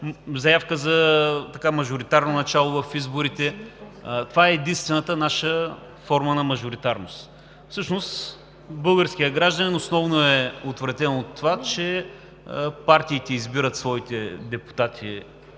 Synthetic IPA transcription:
zɐjafkəzɐt̪ɐkamɐʒʊɾit̪aɾnonɐt͡ʃalˠovɐfizbʊɾit̪ɛ | t̪ovaɛːd̪inst̪vɛnət̪ənaʃə | fɔɾmənɐmɐʒʊɾit̪aɾnʊst̪ | fsɤʃnos | bɤlˠɡəɾsk̟ijəɡɾaʒd̪ɐnʲɛnosnɔvnoɛot̪vɾɐt̪ɛnoot̪ːovat͡ʃɛ | paɾt̪iːt̪ɛizbiɾət̪svɔit̪ɛd̪ɛpu̥t̪at̪ʰḭ

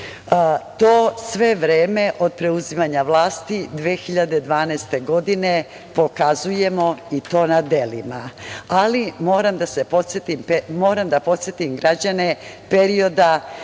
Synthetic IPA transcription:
t̪o̞ːsʋe̞ʋɾeːme̞ʔo̞d̪̚pɾe̞uzimaɲaʋlˠaːst̪id̪ʋeːxiʎad̪e̞d̪ʋaːnast̪e̞ɡo̞d̪ine | po̞kazuje̞mo̞it̪o̞ːnad̪e̞limaalimo̞ːɾamd̪ase̞pot̪set̪impemoːɾamd̪apo̞t̪sʲjet̪imɡɾad͡ʑane̞pe̞ɾio̞d̪a

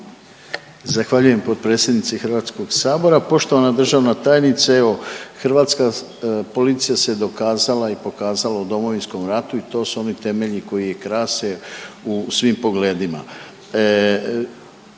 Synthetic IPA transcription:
zaxʋaʎuje̞mpo̞d̪̚pɾe̞t̪sʲjed̪nit̪sixrɾʋaːt̪sko̞ɡsaːbo̞ɾapo̞ʃt̪o̞ʋanad̪r̩ʒaʋnat̪aːjenit̪saeʋo̞xr̩ʋaːt̪ska | po̞lit̪sijased̪o̞kaːzalaipo̞kaːzalaud̪o̞mo̞ʋinsko̞mɾat̪uit̪o̞ːsuo̞nit̪e̞me̞ʎiko̞jije̞kɾaːseusʋimpo̞ɡle̞ːd̪ima̰

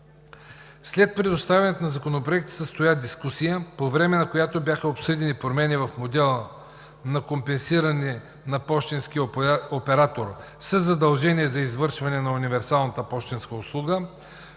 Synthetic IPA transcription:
slɛt̪̚pɾɛd̪ost̪avʲɐnɛt̪onɐzɐkonopɾoɛk̚t̪ə̥səst̪ojad̪iskusijəpovɾɛmɛnɐkojat̪objaxɐopsɤd̪inipɾomɛnʲivɐfmod̪ɛlˠ | nɐkompɛnsiɾɐnɛ | nɐpɔʃt̪insk̟ijopɛɾat̪oɾ | sɐzːɐd̪ɐlˠʒɛnʲiɛzɐizvɤɾʃvɐnɛnɐunivɛɾsalˠnɐt̪əpɔʃt̪inskəʊslˠuɡə

